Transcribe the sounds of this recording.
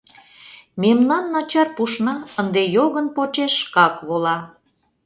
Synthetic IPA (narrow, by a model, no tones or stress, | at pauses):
memnɑnːɑt͡ɕɑrpuʃnɑənd̪ejoɣənpot͡ɕeʃkɑkβolɑ